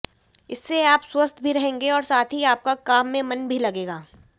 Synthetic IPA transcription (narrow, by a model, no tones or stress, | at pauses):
ɪsːeaːpswɐst̪ʰbʱiɾɐɦẽːŋɡeɔːɾsaːt̪ʰɦiaːp̚kakaːmːẽmɐnbʱilɐɡeːɡaː